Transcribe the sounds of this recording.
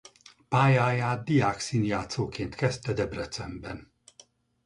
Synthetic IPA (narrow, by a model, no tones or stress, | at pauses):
paːjaːjaːtd̪̚d̪ijaːksiːnjaːt̪soːkeːnt̪kɛst̪ɛd̪ɛbrɛt̪sɛmbɛn